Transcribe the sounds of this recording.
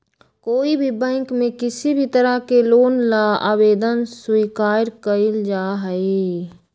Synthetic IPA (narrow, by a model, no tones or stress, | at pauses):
koːibʱibɛ̃ːŋkmẽkɪsibʱit̪əɾəkeloːnlaa̰ːweːd̪ənswiːkaːɾkəɪld͡ʒaːɦəe